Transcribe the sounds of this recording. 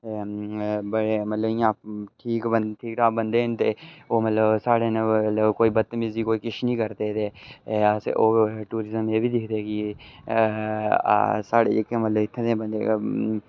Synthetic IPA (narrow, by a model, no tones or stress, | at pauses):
e | bəɽeːmət̪ləbɪãːpʈʰiːkəʈʰiːk̚ʈaːbənd̪eːɦənt̪eːoːmət̪ləbsaːɽeːnət̪ləbkoːiːbət̪ːmɪziːkoːiːkɪʃnĩːkəɾd̪eːt̪eːasʔoːʈuːɾɪzəmeːbiːd̪ɪkʰd̪eːkɪ | a̰saːɽḛːd͡ʒɪkːẽːmət̪ləbɪt̪ʰːẽːt̪ẽːbənd̪ḛː